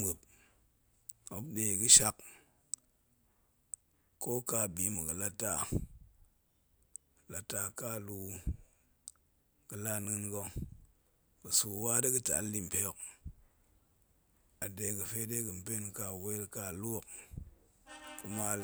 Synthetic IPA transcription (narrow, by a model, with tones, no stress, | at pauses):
mɨ˨p̚ | a˨˦de˧˨kɨ˦ʃa˦k | ko˦ka˧˨bi˨˦mu˨kɨ˨la˦tːa˦˨ | la˨tːa˧ka˦˨lu˦ | kɨ˨la˦nɨ˦nɡo˧ | ku˨su˨wa˦di˦kɨ˦ta̰˨lːi˦m̩˨pe˦˨k | a˨de˧˨kɨ˨fe˦de˦kɨ˨m̩˨pe˦nka˧˨we˦ka˧˨lu˦o˦˨k | kɨ˦ma˦l